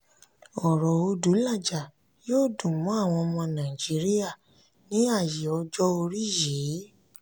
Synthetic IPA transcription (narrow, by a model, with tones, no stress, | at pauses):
ɔ˨ɾɔ˨o˧du˨˦la˦˨d͡ʒa˨ | joː˦˨dũ˨mũ˨˦a˦˨w̃ɔ̃˧mɔ̃˧nã˨i˨d͡ʒi˨˦ɾi˦ja˦˨ | nĩ˨˦a˦˨je˨ɔ˧d͡ʒɔ˦o˧ɾi˦˨je˨˦